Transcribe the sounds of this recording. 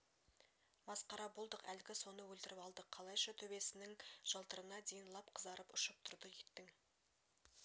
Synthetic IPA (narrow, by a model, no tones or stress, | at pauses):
mɑsqɑɾɑbo̞lˠd̪əqælɪɡʲɪso̞nəwɵlt̪ɪɾɪpɑlˠd̪əqʰɑlˠɑjʃɑt̪ʰɵbe̞sɪnɪŋʒ̥ɑlˠt̪əɾənɑd̪e̞jɪnlˠɑpqʰəzɑɾəpʊʃəp̚t̪ʰʊɾd̪əjet̪ːɪŋ